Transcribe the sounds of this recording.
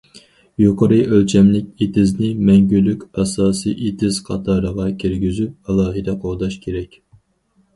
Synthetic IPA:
joqʰəɾɨʔølt͡ʃʰɛmlɪkʲet̪ʰɪznɪmɛŋɡʲylykʲɑsɑːsɨjʔet̪ʰɪz̥qʰɑ̰t̪ʰɑːɾəʁɑkʲʰiɾɡʲyzyp̚ɑlˠɑːɦɨd̪ɛqʰoʁd̪ɑʃkʲʰeɾɛkʲ

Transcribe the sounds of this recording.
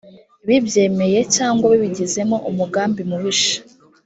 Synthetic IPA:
βibje̞ːme̞je̞caːŋɡwaβiβiɟize̞mo̞ʔumuɡaːmbimuβiʃḁ

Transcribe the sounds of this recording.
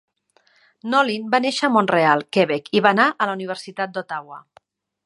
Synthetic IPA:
nɔlinbaneʃəːmonrealˠkɛβɛkʰiβanaʔələuniβ̞əɾsit̪at̪̚d̪ot̪awə

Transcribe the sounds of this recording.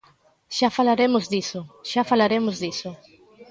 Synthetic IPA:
ʃafalaɾemʊzd̪isʊʃafalaɾemʊzðisʊ

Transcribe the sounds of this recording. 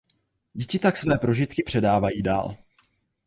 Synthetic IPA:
ɟɛcɪt̪aksvɛːpɾo̞ʒɪt̪kɪpr̝̥ɛdaːvajiːda̰ːl

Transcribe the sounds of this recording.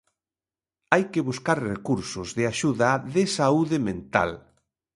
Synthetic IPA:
ajkeβuskaɾrekuɾsʊzðɪaʃuðaðɪsauðɪmẽnt̪a̰l

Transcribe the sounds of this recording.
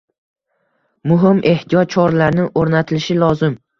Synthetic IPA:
mʊɦɪmʔe̞ht̪ʰijɒt̪̚t͡ʃʰɒɾlaɾnɪŋʔoɾnat̪ʰɪlɪʃɪlˠɒzɪm

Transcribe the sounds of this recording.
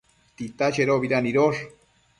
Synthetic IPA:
t̪it̪at͡ʃeɾoβiɾaniɾoɾ

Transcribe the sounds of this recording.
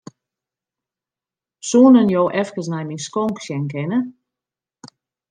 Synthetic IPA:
suːnənjowʔɛfkəsnɛjminskɔŋksjɛnkɪnə

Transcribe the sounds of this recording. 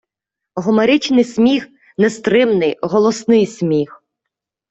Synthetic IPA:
ɦɔmɐɾɪt͡ʃnɪjsʲmʲix | nɛst̪ɾɪmnɪjɦɔlˠɔsnɪjsʲmʲix

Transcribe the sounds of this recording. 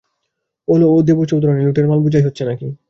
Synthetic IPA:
olood̪ebot͡ɕowd̪oɾoneluʈeɾmalbud͡ʑʱajɦotːɕʰenaki

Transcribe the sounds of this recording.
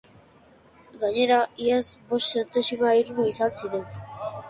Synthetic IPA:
ɡaɲe̞ɾaiasbo̞st̪se̞nt̪esumaiɾmuisansiɾen

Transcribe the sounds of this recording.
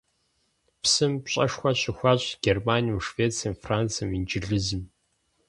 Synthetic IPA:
psɨmpɕʼɐʂxʷɐɕʼɪxʷaːɕʼɡ̥ʲermaːnijumʂveːt͡sʰiɐmfraːnt͡sʰɐmind͡ʒɪɮɨzɨm

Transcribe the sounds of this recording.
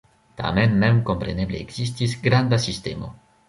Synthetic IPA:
t̪a̰menmɛmkompɾenebleːɡz̥istisɡɾand̪asistemo̞̰

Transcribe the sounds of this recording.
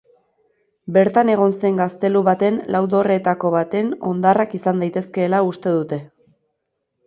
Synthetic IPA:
be̞ɾt̪ane̞ɣ̞o̞nse̞ŋɡast̪e̞luβat̪e̞nlʔawðo̞re̞t̪ako̞βat̪e̞no̞̰nd̪arakisand̪ajt̪e̞ske̞ːlaust̪e̞ðut̪e̞

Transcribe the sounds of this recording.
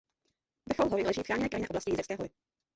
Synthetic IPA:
bɾ̩xowɦoɾɪlɛʒiːfxɾaːɲɛnɛːkɾajɲnɛʔoblascɪjizɛkskɛːɦojɪ

